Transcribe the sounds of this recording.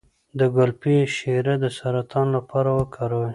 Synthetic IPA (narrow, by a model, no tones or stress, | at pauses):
d̪əɡʊlpiʃeɾad̪əsaɾat̪ɑnlapɑɾawəkʰaɾəw